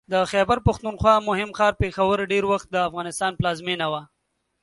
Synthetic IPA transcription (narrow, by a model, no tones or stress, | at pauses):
d̪əxɛbaɾpaxt̪unxwɑmʊɦɪmxɑɾpexawəɾɖeɾwaxt̪̚d̪əafɣɑnɪst̪ɑnplɑzmenawa